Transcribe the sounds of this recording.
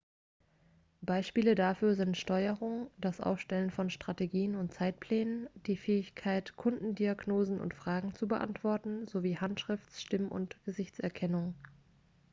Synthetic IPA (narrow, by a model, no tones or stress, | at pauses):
b̥aɪʃpiːlədafyːɐzɪntʃtɔʏəʁʊŋd̥asʔa̰ʊfʃtɛlənfɔnʃtʁ̥ateɡiːənʊnt̚t͡saɪt̚pʰl̥ɛːnənd̥iːfɛːɪçkʰaɪtkʰʊndn̩diaɡnoːzn̩ʔʊ̰ntfʁ̥aːɡŋ̩t͡subəʔa̰ntv̥ɔɐtn̩zoviːhantʃʁ̥ɪft͡sʃtɪməʊ̰ntɡ̥əzɪçt͡sɛɐkʰɛnʊŋ